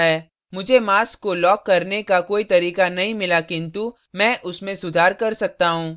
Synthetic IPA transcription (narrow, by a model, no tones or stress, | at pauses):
ɦɛː | mʊd͡ʒʱemaːskːolɔːkːɐɾnekakoːit̪ɐɾiːkanɐɦĩmɪlakɪ̃nt̪u | mɛ̃ːʔʊsmẽsʊd̪ʱaːɾkɐɾsɐk̚t̪aɦũː